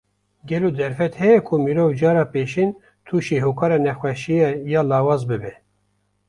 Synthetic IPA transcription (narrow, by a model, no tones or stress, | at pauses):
ɡɛloːd̪ɛɾfɛt̪hɛjɛkʰumiɾoːvd͡ʒɑːɾɑːpeːʃin | t̪ʰuːʃeːɦoːkʰɑːɾɑːnɛxwɛʃijɛjɑːlɑːwɑːzbɨbɛ